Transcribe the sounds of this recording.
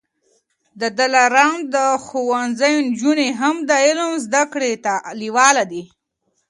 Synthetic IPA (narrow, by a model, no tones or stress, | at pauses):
d̪əd̪alaɾand̪əxowanzajond͡ʒuneɦamd̪əɪlmzd̪akɽet̪aliwɑlad̪i